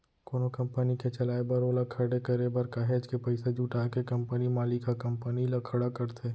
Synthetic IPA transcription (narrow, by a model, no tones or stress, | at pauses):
koːnokɐ̃mpəniket͡ʃɐlaːebɐɾolakʰɐɽekɐɾebɐɾkaɦeːd͡ʒkepɐɪsed͡ʒuʈaːkekɐ̃mpənimaːlikakɐ̃mpənilakʰɐɽakɐɾt̪ʰeː